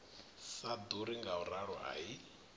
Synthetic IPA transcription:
sad̪uɾiŋɡauɾaɺɔ̰ʔa̰i

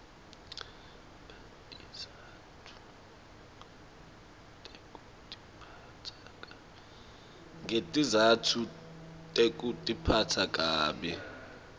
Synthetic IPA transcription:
a | tʼiza | tʰu̥ | tʼekʼu | tʼi̥pʰa | tʰakʼa | ɛ | ŋɡʱetʼizatʰutʼek̬ʼutʼipʰatʰakʼaːɓɛ

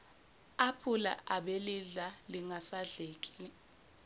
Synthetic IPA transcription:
apʰula̰ʔaɓeliɮaliŋasaɮeːkʼi̥i

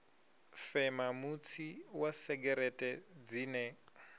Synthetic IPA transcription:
fɛmamut͡sʰiwasɛɡɛɾɛtʼɛd͡ziːnɛ

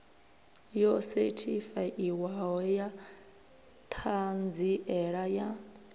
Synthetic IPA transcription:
jɔsɛtʰifajʔiwaɦɔja | tʰand͡ziʔɛɺaja

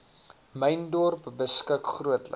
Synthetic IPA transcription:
məjndɔrpbəskəkχruətlə̰

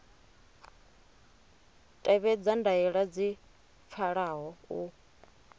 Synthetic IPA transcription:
tʼɛβɛd͡zandaɛɺad͡zi | p̪fʰaɺaɦɔu

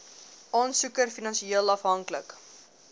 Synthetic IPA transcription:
ʔɔnsukərfinɐnʃieəlɐfɦɐŋklək

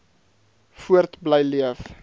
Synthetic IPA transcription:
fuərtbləjliəf

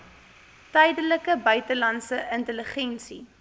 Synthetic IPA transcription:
tɛjdələkəbœɥtəlɐnsəʔəntələχɛnsi

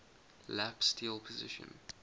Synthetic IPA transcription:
læpstʰiːlˠpʰəzɪ̰ʃə̰̃n

